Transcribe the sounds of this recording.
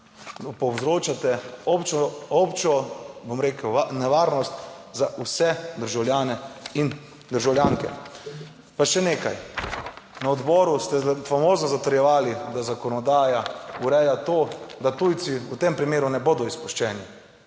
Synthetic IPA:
pɔwzɾoːt͡ʃat̪ɛɔpt͡ʃɔɔpt͡ʃɔbomɾeːkəwnɛʋaːɾnɔst̪zaʔusɛd̪əɾʒawljaːnɛin | d̪əɾʒawljaːŋkɛ̰ | paʃɛneːka̰j | naɔd̪bɔːɾust̪ɛfamoːznɔzat̪ɔɾjɛʋaːlid̪azakɔnɔd̪aːjauɾɛjat̪oːd̪at̪ujt̪siut̪empɾimeːɾunɛboːd̪ɔispuʃt͡ʃɛːni

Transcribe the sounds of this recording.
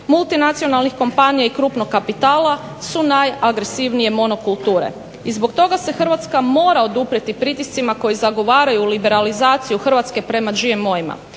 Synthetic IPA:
mulˠt̪inat̪sijo̞nalˠnixko̞mpanijaikɾuːpnokːapit̪aːla | sunajaɡɾe̞siʋnije̞mo̞no̞kulˠt̪uːɾe̞̰ | izbo̞kt̪o̞ɡase̞xr̩ʋat̪skamo̞ːɾao̞d̪upɾet̪ipɾit̪ist̪imako̞jizaɡo̞ʋaːɾajulibe̞ɾalizaːt̪sijuxrʋat̪ske̞pɾe̞mad͡ʒiemːo̞jima̰

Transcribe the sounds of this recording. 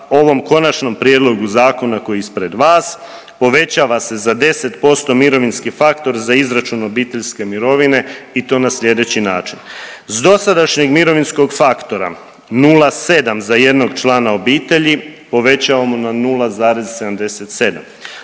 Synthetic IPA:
o̞ʋo̞mko̞nat͡ʃno̞mpɾijed̪lˠo̞ɡuzaːko̞nako̞jispɾe̞d̪ʋaːs | po̞ʋe̞t͡ɕaʋase̞zad̪e̞se̞t̪po̞st̪o̞miɾo̞ʋinskifakt̪o̞ɾzaizɾat͡ʃuno̞biːt̪e̞ʎske̞miɾo̞ʋine̞it̪o̞ːnasʎe̞d̪e̞t͡ɕinaːt͡ʃinzd̪o̞sad̪aʃɲeɡmiɾo̞ʋinsko̞ɡfakt̪o̞ɾa̰ | nuːlase̞d̪amzaje̞d̪no̞ɡt͡ʃlˠaːnao̞biːt̪e̞ʎipo̞ʋe̞t͡ɕaʋamonanulˠazaːɾe̞zse̞d̪amd̪e̞se̞t̪se̞d̪a̰m

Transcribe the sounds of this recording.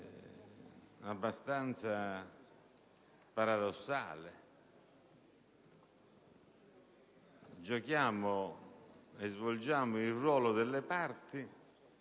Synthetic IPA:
abːast̪ant̪sa | paɾaðɔsːa̰ːlɪ | d͡ʒɔkjaːmʊ | ɛzvɔld͡ʒaːmʊirːwɔːlʊd̪ɛlːɛpaɾt̪ɪ

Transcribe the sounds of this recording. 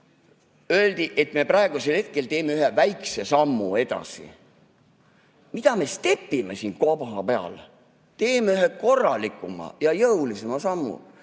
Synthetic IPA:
øeld̪̥iʔe̞t̪me̞prɑeɡ̥uselhe̞t̪̚ke̞lt̪e̞ːmeyhevæjkse̞sɑmːṵe̞d̪̥ɑ̰sḭ | mid̪̥ɑme̞st̪e̞pːˑimesiːnkopɑɦɑpeɑ̰l | t̪e̞ːmeyɦeko̞rːɑlikːˑumɑ̰jɑjɤwlise̞mɑsɑmːṵ

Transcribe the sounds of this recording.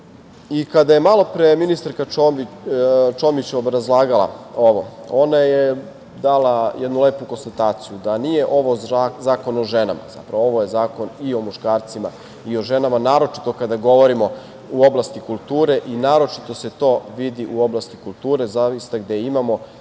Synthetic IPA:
ikad̪aje̞malo̞pɾeminist̪aɾka | t͡ʃomit͡ɕeobɾazlˠaːɡalˠa̰o̞ʋo̞̰o̞naje | d̪alˠajɛd̪nule̞ːpuko̞nst̪at̪aːt̪sijud̪anije̞ʔo̞ʋozaːko̞noʒena̰ma̰z̥a̰pɾaʋoo̞ʋo̞je̞zaːko̞nio̞muʃkaːɾt̪sima̰ | io̞ʒe̞namanaːɾo̞t͡ʃi̥t̪o̞kad̪aɡo̞ʋo̞ɾimo̞ | uo̞blˠast̪ikulˠt̪uːɾe̞ʔinaːɾo̞t͡ʃi̥t̪o̞se̞t̪o̞ːʋid̪iʔuo̞blˠast̪ikulˠt̪uːɾe̞zaʋist̪aɡd̪eimamo̞

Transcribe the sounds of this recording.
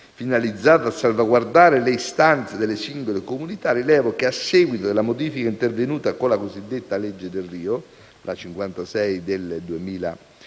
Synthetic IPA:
finalid̪zːaːt̪aasːalvaɡward̪aːɾeleist̪ant̪sed̪elːesiŋɡolekomunit̪arilɛːvokeasːɛːɡwit̪od̪elːamod̪iːfikaint̪ervenuːt̪akolakozid̪ːet̪ːaled͡ʒːed̪elriːo | lat͡ʃiŋkwant̪asɛjd̪eld̪uemiːla̰

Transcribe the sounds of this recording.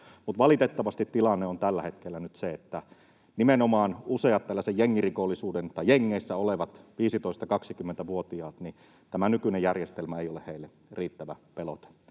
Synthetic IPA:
mut̪ʋɑlit̪et̪ːɑʋɑst̪it̪tilɑnːeont̪ælːæhet̪kelːænyt̪seet̪ːæ | nimenomɑːnuseɑt̪t̪ːælːæsejjeŋːirikolːisuːdent̪ɑjeŋːeisːæoleʋɑt̪ʋiːsit̪oist̪ɑkɑksikymːent̪æʋuot̪iɑːt̪ni | t̪æmænykynejjærjest̪elmæeijoleheilːe | riːt̪ːæʋæpelo̰t̪e̥ːu̥

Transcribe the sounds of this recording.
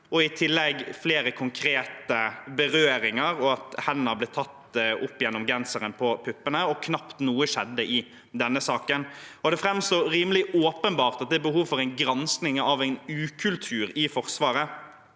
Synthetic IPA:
ɔɪt̪ʰɪlːɛɡfleːɾəkʰʊŋkʰɾeːt̪əbəɾøːɾɪŋɑɾɔɑt̪hɛnːɑblɛːt̪ʰɑt̪ːʔʊpːjɛnːɔmɡɛnsəɾənpʰɔpʰʏpːənəɔkʰnɑpt̪nuːəʃɛd̪ːəʔɪ | d̪ɛnːəsɑːkənɔd̪ɛfɾɛmst̪oːɾiːməlɪʔoːpənbɑːʁt̪ɑt̪̚d̪ɛɾbəɦuːʋfɔɾæɪnɡɾɑnsknɪŋɑʋæɪnʉːkʰʉlt̪ʰʉːɾɪfɔɾsʋɑːɾə

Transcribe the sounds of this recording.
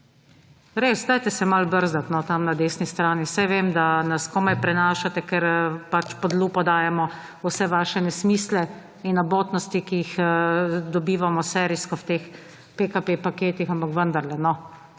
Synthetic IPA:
ɾeːsd̪aːjt̪ɛsɛmalbəɾzd̪at̪nɔt̪amnad̪eːsnist̪ɾaːnisajʋemd̪anaskɔmajpɾɛnaːʃat̪ɛkɛɾpat͡ʃpɔd̪luːpɔd̪aːjɛmɔ | usɛʋaːʃɛnɛsmiːslɛ | inːɔboːt̪nɔst̪ikijix | d̪ɔbiːʋamɔsɛːɾiskɔwt̪eːx | pekapepakeːt̪ixampakʋənd̪aɾlɛnɔ

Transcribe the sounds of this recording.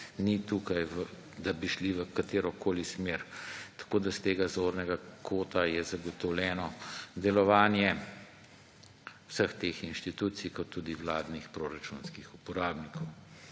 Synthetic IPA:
nit̪ukajʋ | d̪abiʃliʋəkat̪eːɾɔkoːlismeɾt̪ḁkod̪ast̪eːɡazoɾnɛɡakʰoːt̪ajɛzaɡɔt̪ɔwlʲɛːnɔd̪ɛlɔʋaːnjɛ | wsəxt̪eːxinʃt̪it̪uːt̪sijkɔt̪ːud̪iwlaːd̪nixpɾoɾat͡ʃunskixupɔɾaːbnikʰɔw

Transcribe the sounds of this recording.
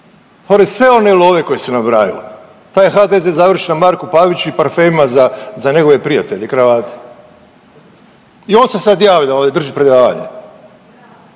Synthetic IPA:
poɾed̪sʋe̞o̞neilˠo̞ːʋe̞ko̞jesunabɾaːjḭlo | t̪aːjxad̪ezezaʋr̩ʃenamaɾkupaʋit͡ɕuipaɾfeimazazaɲe̞ɡo̞ʋe̞pɾijat̪eʎekɾaʋaːt̪ʰe̥ | io̞ːnse̞sad̪jaːʋʎaoːd̪ed̪r̩ʒipɾe̞d̪aːʋa̰ɲḛ

